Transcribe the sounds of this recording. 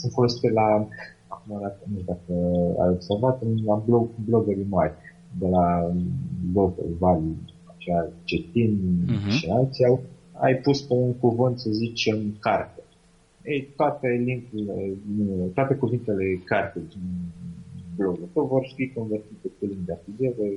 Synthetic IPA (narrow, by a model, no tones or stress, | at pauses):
sɨnfo̞lo̞sit̪ela | akumad̪akənuʃd̪akəa̰jo̞bservat̪ɨnlablo̞ɡblo̞ɡeɾijmarʲ | d̪e̞la | blo̞ɡḛlvalu | at͡ʃeat͡ʃet̪inʃinalt̪siaw | a̰jpuspe̞uŋkuvɨnt̪səzit͡ʃemkart̪e | ejt̪oat̪eliŋkuleit̪oat̪e̞kuvint̪e̞le̞kart̪ed̪in | blo̞ɡut̪əwvo̞rfikonvert̪it̪ekuliŋk̚d̪eafilijeɾe